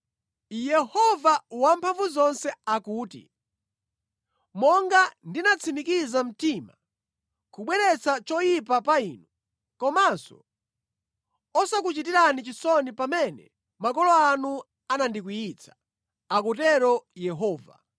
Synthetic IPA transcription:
jɛhɔvawampʰaɱvuzɔnsɛakuːtḭ | mɔŋɡandinat͡sʰimikizam̩tima | kuɓwɛɾɛt͡sʰat͡ʃɔjipapaiːnu | kɔmasɔ̰ | ɔsak̬ut͡ʃitiɾanit͡ʃisɔnipamɛnɛ̰ | makɔlɔanu | anandikujit͡sʰḁ | akutɛɾɔjɛɦɔːva̰

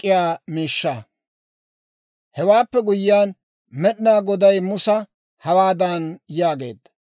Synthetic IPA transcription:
kʼːɪjaːmiːʃːɐ | hɛwaːpːɛɡʊjɪjaːn | mɛɗɪnaːɡɔd̪ɐjmʊsɐ | hɐwaːd̪aːnjaːɡe̞̰ːd̪ːɐ̥

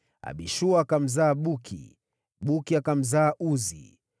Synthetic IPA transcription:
a̰ɓiʃuaːkam̩zaːɓukʰḭ | ɓukiakam̩zaːʔuzḭ

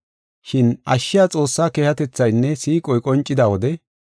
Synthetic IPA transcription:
ʃɪnʔɐʃːɪjaːt͡sʼo̞ːsːaːkeːhɐt̪ɛt͡sːɐjnːɛsiːkʼɔjkʼɔnt͡ʃʼːɪd̪aːwɔd̪ɛ

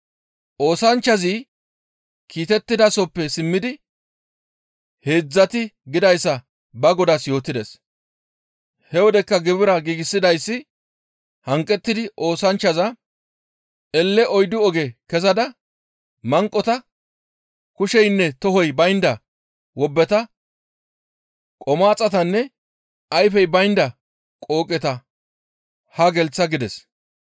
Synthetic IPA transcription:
ʔo̞ːsɐnt͡ʃːɐzi | kiːt̪ɛt̪ːɪd̪ɐsɔpːɛsɪmːɪd̪ɪ | heːd͡zːɐt̪ɪɡɪd̪ɐjsːɐ | bɐɡɔd̪ɐsjo̞ːt̪ːɪd̪ɛs | hɛwɔd̪ɛkːɐɡɪbɪɾɐɡiːɡɪsːɪd̪ɐjsːɪ | hɐŋkʼːɛt̪ːɪd̪ɪʔo̞ːsɐnt͡ʃːɐzɐ | ʔɛlːɛʔɔjd̪ʊɔɡɛkɛzɐd̪ɐ | mɐŋkʼːɔt̪ɐ | kʊʃɛjnːɛt̪ɔɦɔjbɐjnd̪ɐ | wɔbːɛt̪ɐ | kʼɔmaːt͡sʼːɐt̪ɐnːɛ | ɐjfɛjbɐjnd̪ɐ | kʼo̞ːkʼɛt̪ɐ | hɐɡɛlt͡sːɐɡɪd̪ɛs

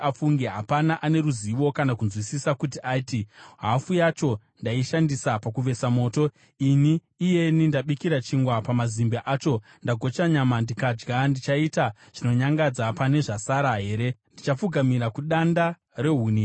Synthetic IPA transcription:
afuŋɡeɦapanaʔane̞ɾuziʋo̞kanakunzwisisakutiʔaitiɦafujat͡ʃo̞ | ndaiʃandisapakuʋe̞samo̞ːto̞ | iniː | je̞nindaɓikiɾat͡ʃiŋɡwapamazimbaʔat͡ʃo̞ | ndaɡʱo̞t͡ʃaɲamandikad͡ʒɡandit͡ʃaita | ʐ̥ino̞ɲaŋɡad͡zapane̞ʐasaɾaɦe̞ːɾe̞ndit͡ʃap͡fuɡʱamiɾakuɗanda | re̞ɦuːni

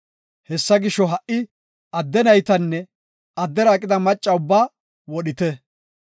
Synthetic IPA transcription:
hɛsːɐɡɪʃːɔɦɐʔʔɪ | ɐd̪ːɛnɐjt̪ɐnːɛ | ɐd̪ːɛɾaːkʼɪd̪ɐmɐt͡ʃʼːɐʊbːaː | wɔɗɪt̪ɛ

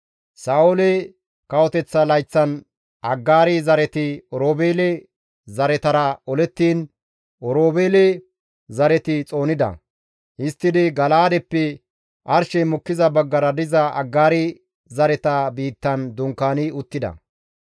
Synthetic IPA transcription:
saːwʊlɛ | kɐwɔt̪ɛt͡sːɐlɐjt͡sːɐn | ʔɐɡːaːɾɪzɐɾɛt̪ɪɔɾoːbeːlɛ | zɐɾɛt̪ɐɾɐɔlɛt̪ːiːn | ʔɔɾoːbeːlɛ | zɐɾɛt̪ɪt͡sʼo̞ːnɪd̪ɐ̰ | ʔɪst̪ːɪd̪ɪɡɐlaːd̪ɛpːɛ | ʔɐɾʃɛmʊkːɪzɐbɐɡːɐɾɐd̪ɪzɐʔɐ̰ɡːaːɾɪ | zɐɾɛt̪ɐbiːt̪ːɐnd̪ʊŋkːaːnɪʊt̪ːɪd̪ɐ̰

